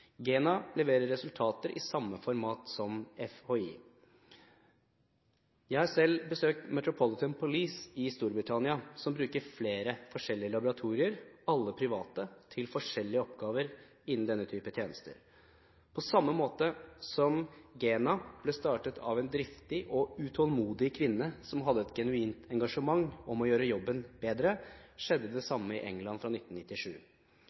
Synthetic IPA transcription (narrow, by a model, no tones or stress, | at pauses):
ɡeːnɑlɛʋeːɾəɾːɛsʉlt̪ʰɑːt̪əɾʔɪ̰sɑmːəfɔɾmɑːt̪sɔmɛfhoːḭ | jæɪhɑsɛlːbəsøːk̚t̪mɛt̪ɾʊpʰɔlɪt̪ʰənpʰʊliːsɪst̪uːɾbɾɪt̪ʰɑnɪɑsɔmbɾʉːkəɾfleːɾəfɔʂɛlːɪəlɑbʊɾɑt̪ʰuːɾɪəɾɑlːəpʰɾɪʋɑːt̪ət̪ʰɪlfɔʂɛlːɪəɔpɡɑːʋəɾ | ɪnːn̩d̪ɛnːət̪ʰyːpət̪ʰjeːnəst̪ə̰ɾ | pʰɔsɑmːəmoːt̪əsɔmɡeːnɑb̥lɛst̪ɑːʈət̪ʰɑ̰ʋɛnd̪ɾɪft̪ɪʔɔʉt̪ʰɔlmuːd̪ɪkʰʋɪnːəsɔmɦɑd̪ːəɛt̪ɡɛnʉiːnt̪ʰɛŋɡɑʂəmɑŋːɔmɔjøːɾəjɔbːənbeːd̪ɾəʂɛd̪ːəd̪ɛsɑmːəɪʔɛŋlɑnfɾɑnɪt̪n̩nɪt̪ːɪʂʉ̰ː